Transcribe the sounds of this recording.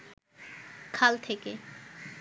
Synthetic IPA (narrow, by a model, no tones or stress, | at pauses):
kʰalt̪ʰeke